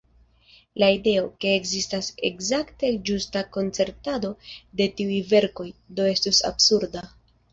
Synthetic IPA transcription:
laide̞o̞ke̞ːkzistase̞̰kzakte̞d͡ʒustako̞nt͡se̞ɾtado̞de̞tiujve̞ɾko̞jdo̞e̞stusa̰bsuɾda

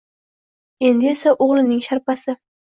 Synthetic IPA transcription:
e̞nd̪ɪesaʔoʁlˠɪnɪŋʃaɾpasɪ

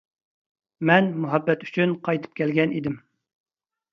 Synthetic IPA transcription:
mɛnmuɦɛbːɛt̪y̥t͡ʃʰynqʰɑjt̪ʰɨ̥p̚kʲɛlɡʲɛnid̪ɪm

